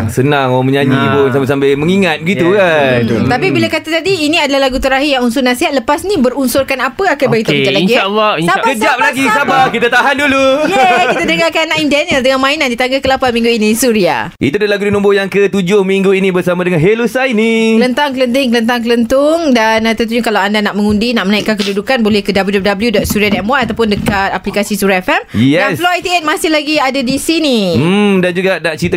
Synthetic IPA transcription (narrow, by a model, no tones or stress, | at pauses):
sənaŋoaŋməɲaɲibonsambas̬ambɪlməŋiŋat̪̚bəɡit̪ukant̪apibilakat̪at̪adiːnĩadalahlaɡut̪əɾaɦijaŋunsʊnasiɦat̪ləpasnĩbəɾunsʊrkanapəakanbaɡit̪ut͡ʃ̪alaɡialːakəd͡ʒap̚llaɡisabakit̪at̪aɦandulujkit̪adəɡakanaʔimdanəldəŋanmãinãndit̪aŋɡakəlapanmĩŋɡuinisuɾia̰ʔḭt̪uadalaɡudinũmbʊjaŋkət̪ud͡ʒʊhmĩŋɡuinĩbərsamãdəŋãnɦelusajnilənt̪aŋkələnt̪̬ɪŋkələnt̪̬aŋklənt̪ʊŋdant̪ənt̪uɲakalawandanaʔmə̃ŋundinaʔmənaiʔkankədudukanbolɛhkədabəudɔp̚dabəljudɔt̪̚suɾiadɛmwaʔat̪awpʊndəkat̪aplikasisuɾɛfɛmɛdansfloajt̪iet̪̚masɪhlaɡiadadisinidand͡ʒuɡaʔnaʔt͡ʃɾit̪a